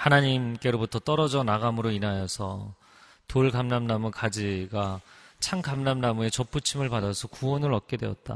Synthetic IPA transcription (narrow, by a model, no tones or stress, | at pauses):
hanaɲimk͈e̞ɾobutʰʌt͈ʌɾʌd͡ʑʌnaɡamɯɾoinɦajʌsʰʌ̰ | toɭkamnamnamukad͡ʑiɡat͡ɕʰaŋkamnamnamue̞t͡ɕʌp͈ʰut͡ɕʰimɯɭpadasʰʌkuwʌnɯɾʌk͈e̞dwe̞̰ʌ̰t̚t͈a̰